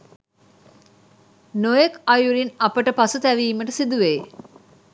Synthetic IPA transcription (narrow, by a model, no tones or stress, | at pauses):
nojekɐjuɾinɐpəʈəpɐsut̪æʋiːməʈəsid̪uʋeː